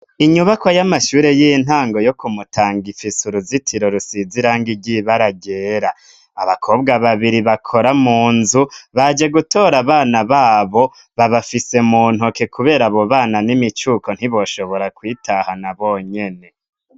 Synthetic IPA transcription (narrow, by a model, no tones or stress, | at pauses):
iɲuβakwojamaʃuːɾe̞jin̥ɦaːŋɡo̞jo̞kumutʰaːŋɡifisuɾuzitʰiɾo̞ɾusiziɾaːŋɡiɟiβaɾaɟeːɾaː | βakʰo̞ːbɡaβaβiɾiβakʰo̞ɾamuːnzuβad͡ʒe̞ɡutʰo̞ːɾaβaːnaβaːβo̞ | βaβafise̞muːn̥hoke̞kʰuβe̞ːɾaβo̞βaːnanimit͡ʃukʰo̞n̥hiβo̞ːʃo̞βo̞ɾakwiːtʰahanaβoɲe̞ne̞